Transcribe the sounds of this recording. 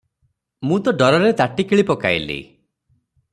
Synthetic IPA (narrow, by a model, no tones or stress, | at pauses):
mũt̪ɔɖɔɾɔɾet̪aʈikiɭipɔka̰jlḭ